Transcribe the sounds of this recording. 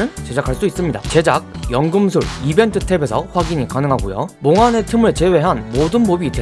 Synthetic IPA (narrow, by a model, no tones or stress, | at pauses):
ɯt͡ɕe̞d͡ʑakʰaɭs͈dois͈ɯmɲidat͡ɕe̞d͡ʑak̚jʌŋɡɯmsʰuɭibe̞ntʰɯ̥tʰe̞be̞sʰʌɸwaɡiɲikanɯŋɦaɡojo̰moŋane̞tʰɯmɯɭt͡ɕe̞we̞ɦanmodɯnbobite